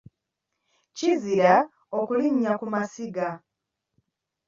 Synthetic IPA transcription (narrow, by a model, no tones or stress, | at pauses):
ciziɾa | okuliɲːakumasiɡa